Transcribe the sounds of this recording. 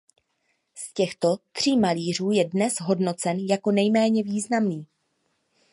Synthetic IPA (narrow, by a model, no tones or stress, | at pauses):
scɛxt̪o̞t̪r̝̥iːmaliːr̝uːjɛdnɛsɦo̞dno̞t͡sɛnjakonɛjmɛːɲɛviːznamniː